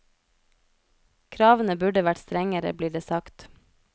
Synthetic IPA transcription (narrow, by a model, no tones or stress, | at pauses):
kʰɾɑːʋn̩əbʉɖəʋæʈst̪ɾɛŋəɾə̰bliːɖeːsɑkt̪